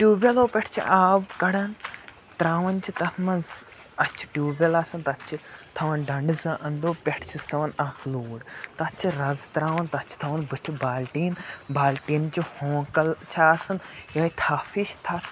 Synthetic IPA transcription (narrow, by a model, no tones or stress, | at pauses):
ʈʲjuːbʲɐloːpʲɛʈʰt͡ʃʰḭʔaːbkɐɽɐn | t̪ɾaːʋɐnt͡ʃʰit̪ɐt̪ʰmɐnz | ɐt͡ʃʰi̥ʈʲuːbʲɐlaːsɐnt̪ɐt͡ʃʰit̪ʰɐʋɐnɖɐɳɖɨzɐʔɐnd̪oːpʲeʈʰt͡ʃʰist̪ɐʋɐnɐxʰluːɽt̪ɐt͡ʃʰiɾɐzt̪ɾaːʋɐnt̪ɐt͡ʃʰi̥t̪ʰɐʋɐnbɨʈʰibaːlʈiːnbaːlʈiːnt͡ʃihõːkɐlt͡ʃʰaːsɐnjɐːit̪ʰaːpʰiʃʰt̪ʰɐt̪ʰ